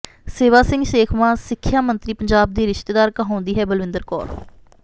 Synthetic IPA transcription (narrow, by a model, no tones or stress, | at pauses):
seːʋaːsɪ̃ŋɡʃeːkʰmãːsɪkʰːjaːmənt̪ɾiːpəɲd͡ʒaːb̚d̪iːɾɪʃt̪eːd̪aːɾkaɦõːnd̪iːɦɛːbəlʋɪ̃nd̪əɾkɔ̰ːɾ